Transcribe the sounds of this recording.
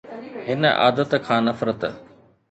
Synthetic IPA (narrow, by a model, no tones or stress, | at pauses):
ɦɪnəʔa̰ːd̪ət̪kʰãːnɐfɾət̪